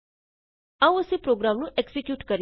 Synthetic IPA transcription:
ãũəsepɾoɡɾamnũʔeksekjuːʈkəɾ

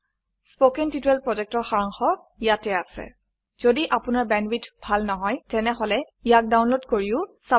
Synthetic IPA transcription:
spokɛntitɛlpɹɔzɛk̚tɔɹxaɹaŋxɔ | jatɛasɛ̰ | z̥odiʔapʊnaɹbɛnwitbʱalnɔɦɔjtɛnɛɦɔlɛ | jak̚dawnlodkoɹiʊsa

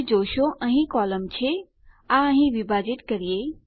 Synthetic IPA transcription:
d͡ʒoːʃoʔə̃ɦĩkɔːləmt͡ɕʰe | aə̃ɦĩʋibʱaːd͡ʒɪʈkɐɾijeː

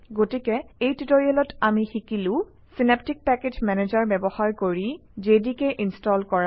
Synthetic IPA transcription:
ɡotikɛejtitoɹiɛlɔtamixikilʊ̃ | sinep̚tik̚pɛked͡ʒmɛned͡ʒaɹbɛbɔhaɹkoɹid͡ʒedikɛʔinstɔlkɔɹa

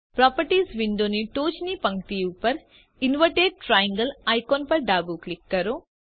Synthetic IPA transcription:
pɾaːpɐɾʈiːsʋiɳɖ̪oniʈoːt͡ʃnipɐŋkt̪ijupɐɾ | inʋɐʈeːɖ̚ʈɾaːjiŋɡɐlajkoːnpɐɾɖaːbuːklikːɐɾo

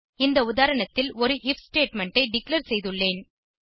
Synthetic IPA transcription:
ɪnd̪ɐʊðaːɾɐɳɐt̪ːɪlɔɾɯhɪfsʈeːʈmɛɳʈɐɪɖɪklɐɾsɛjðɯɭːeːn

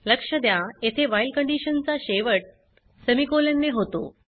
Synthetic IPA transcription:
ləkʂəd̪jajet̪ʰeʋailkəɳɖiɕənt͡saɕeʋəʈ̚ | səmikolenːeɦot̪o̰

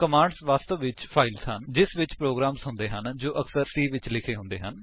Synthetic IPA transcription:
kəmãːɳɖsʋaːst̪oːʋɪt͡ʃpʰaːɪlsɦənd͡ʒɪsʋɪt͡ʃpɾoːɡɾaːmsɦʊ̃nd̪eːɦənd͡ʒoːʔəksəɾsiːʋɪt͡ʃlɪkʰeːɦʊ̃nd̪ḛːɦən

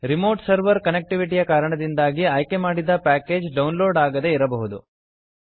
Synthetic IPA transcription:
ɾimo̞ːɾʈsɐɾʋɐɾkɐnek̚ʈiʋiʈijɐkaːɾɐɳɐd̪ind̪aːɡiɐjkemaːɽid̪ɐpæːke̞ːd͡ʒɖɐwnloːɖaːɡɐd̪e̞iɾɐbɐɦud̪u

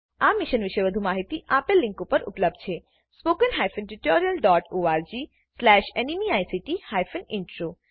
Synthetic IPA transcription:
amɪʃənʋɪʃəeʋəd̪ʱumaɦit̪iʔapalːĩŋkupəɾṵpləb̚d̪̚ʱt͡ʃʰe | spokənɦajfənʈiʈoɾijəlɖɔʈoaɾd͡ʒi | slɛʃenimiajsiʈihajfʰənɪɳʈɾo

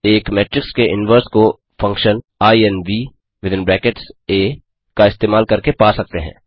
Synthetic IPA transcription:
eːkmɛːʈɾɪkskeʔɪnʋəɾsko | fɐ̃ŋkʃən | aːiɛnʋiː | ʋɪd̪ɪ̃nbɾɛːkeʈseː | kaɪst̪eːmaːlkɐɾkepaːsɐk̚t̪eɦɛ̰̃ː

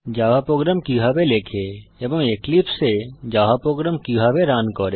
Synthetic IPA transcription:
d͡ʒaʋapɾoɡɾamkiɦabelekʰeebɔŋeklipsed͡ʒaɦapɾoɡɾamkiɦabeɾankɔɾe

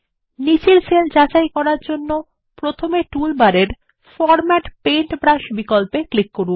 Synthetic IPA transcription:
nit͡ɕilseld͡ʑat͡ɕajkɔɾaɾd͡ʑonːo | pɾot̪ʰomeʈulbaɾeɾ | fɔɾmɛʈpejɳʈbɾaʃbikolpeklikːoɾu

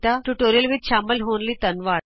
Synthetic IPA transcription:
t̪aʈuʈoːɾijəlʋit̪ɕaːməlɦoːnliːt̪ənʋaː

